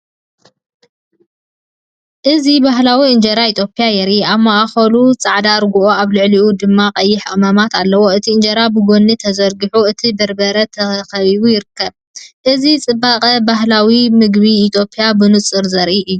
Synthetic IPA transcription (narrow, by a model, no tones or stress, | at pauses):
ʔɨzibaɦlawiɨnd͡ʒɐɾait̪ʰjo̞pʰʼijajɛɾiaβmaʔaxɐlut͡sʼaʕd̪aɾɡuʔoaβlɨʕliʔud̪ɨmːaqʼɐjːɪħaʔʼmɐmat̪alːɐwo̞ɨt̪ʰiɨnd͡ʒɐɾabɨɡonːit̪ʰɐzɐɾɡɨħuɨt̪ʰibɐɾbɐɾɐt̪ʰɐxɐβiβujɪɾɨkːɐβ | ʔɨzit͡sʼɨbːaqʼɐbahlawimɨɡbiːt̪ʰjo̞pʰʼijabɨnɨt͡sʼːɨɾzɐɾʔiʔɨjːu